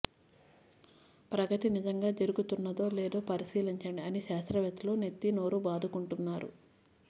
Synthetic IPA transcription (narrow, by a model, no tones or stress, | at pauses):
pɾɐɡɐʈinizɐŋɡaːd͡ʒɐɾuɡut̪unːɐd̪o̞ːleːd̪o̞ːpɐɾiʃiːlɐɲt͡ʃɐɳɖiɐniʃaːst̪ɾɐʋet̪uloːnet̪ːino̞ːɾubaːd̪ʱukuɳʈunːaːɾṵ